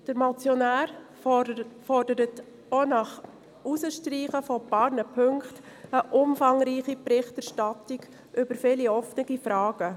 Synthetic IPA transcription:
d̥əɾmɑt͡sjɔnæːɾ | fɔrdəɾət | onɑχ | usəʃtɾiːχəfɔpɑːɾnəpʰɵŋkχt | əʔʊmfɑŋɾiːχipɾɪχtæɾʃtɑtiɡ̥ | ʔʏbəɾfɪliɔfnəɡifɾɑːɡ̥ə

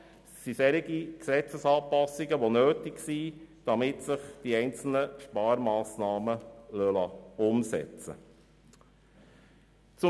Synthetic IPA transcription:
sːisɛɾiɡiksɛt͡səsɑːpɑsːiɡəʋonøːtɪɡsid̥ɑmɪtsɪχd̥iɛɪnt͡sl̩nəʃpɑːɾmɑːsnɑːməlœlɑʊmsɛ̰t͡sə̰ | t͡sʊ

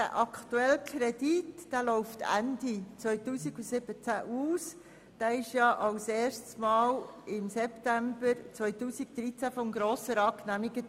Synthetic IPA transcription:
dæ̰ʔɑkʰt̪uɛlkʰɾɛd̥itd̥ælɔʊftæ̰ndit͡sʋœʏtuːsiɡusɪb̥ət͡sæʔuːs | d̥æːɪʃjɑʔɑlseːrʃtsmɑːlɪmsɛptæmbəɾt͡sʋœʏtuːsiɡd̪̥ɾit͡sæfɔmɡɾoːsəɾɑːknæmiɡə

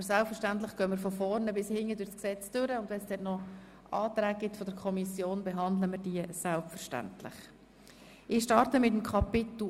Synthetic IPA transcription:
əɾsælpfəɾʃtænt̬lɪχɡ̥œːmɪɾfɔfɔɾnəbɪshɪŋədʊsksɛt͡stʏɾəʊndʋɛnsd̥ɛtnɔ | ʔɑːt̪ɾæːɡ̚ɡɪtfɔdəɾkʰɔmisjoːnbɛɦɑnd̪ləmɪɾd̥iəsælpfəɾʃtæ̰ntlɪ̰χ | ɪʃtɑɾtəmɪtəmkʰɑpɪt̪l̩

